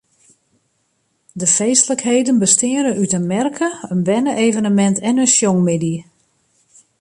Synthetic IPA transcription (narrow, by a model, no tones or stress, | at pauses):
dəfeːstləkhejdənbəstɪəɾənytənmɛrkʰəənbɛnəʔejvənəmɛntʰɛnənsjɔŋmɪdi